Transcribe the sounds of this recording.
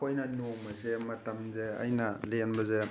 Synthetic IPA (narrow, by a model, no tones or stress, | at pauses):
ojnɐnoŋmɐzemɐtɐmzeɐ̰jnɐlenbɐze